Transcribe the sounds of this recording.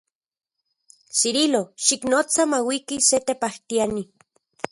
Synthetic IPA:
ʃiɾiloʃiknot͡samawikiset̪epaht̪iani

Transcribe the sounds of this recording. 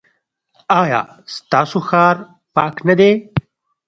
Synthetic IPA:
aːjɑ̰ː | st̪aːsuxaːɾ | pɑːknɐd̪e

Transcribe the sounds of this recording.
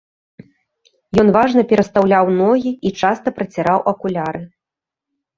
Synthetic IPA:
jɔnvaʐnɐpʲɛɾɐst̪awlʲawnɔɣʲiit͡ʂast̪ɐpɾɐt͡sʲaɾawʔɐkulʲaɾɨ

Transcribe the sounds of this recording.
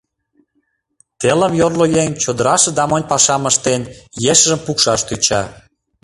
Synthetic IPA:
t̪elə̆mjorlojent͡ɕod̪əɾɑʃə̆d̪ɑmənʲpɑʃɑməʃt̪enjeʃəʒə̆mpukʃɑʃt̪yt͡ɕɑ̰

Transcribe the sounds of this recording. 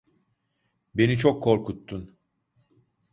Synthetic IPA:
be̞nit͡ʃʰokʰːo̞ɾkut̪ʰːun

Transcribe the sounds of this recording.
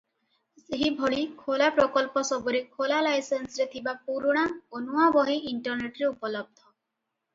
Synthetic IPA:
zeɦibʱɔɭikʰolapɾɔkɔlpɔsɔbɔɾekʰolalajsensɾet̪ʰibapuɾuɽ̃aonuwabɔɦiʔiɳʈɔɾneʈɾeupɔlɔb̚d̪ʱɔ

